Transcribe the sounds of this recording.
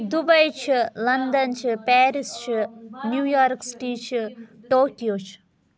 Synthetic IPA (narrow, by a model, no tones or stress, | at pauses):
d̪ubɐjt͡ʃʰilɐnd̪ɐnt͡ʃʰipɛːɾist͡ʃʰinjuːjaːɾksʈiːt͡ʃʰiʈoːkijoːt͡ʃʰi̥